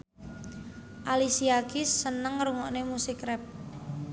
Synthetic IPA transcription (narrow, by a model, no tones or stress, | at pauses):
ʔalisiakɪsːənəŋɾuŋɔʔnemusɪkrɛp̚